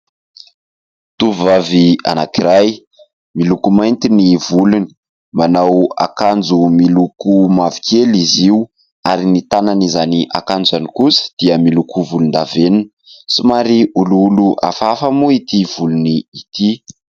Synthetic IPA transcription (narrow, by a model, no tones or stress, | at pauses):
t̪uvvavia̰nakiɾaj | milukumajnt̪inivuluni̥ | manawa̰kand͡zumilukumavi̥kʰeliziw | aɾinit̪ananizaniʔa̰kand͡zanikusə̥d̪̥iəmilukuvulund̪aveninəsumaɾiuluuluʔa̰fafəmuit̪iv̥uluniːt̪i